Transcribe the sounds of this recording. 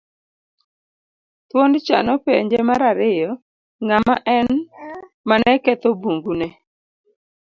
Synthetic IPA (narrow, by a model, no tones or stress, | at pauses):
t̪wondt͡ʃa̰nɔpeɲd͡ʒemaɾaɾɪjɔ | ŋamaʔɛn | manɛkɛt̪ɔbuŋɡunɛ